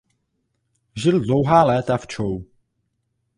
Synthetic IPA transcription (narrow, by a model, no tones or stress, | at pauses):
ʒɪldlowɦaːlɛːt̪aft͡ʃow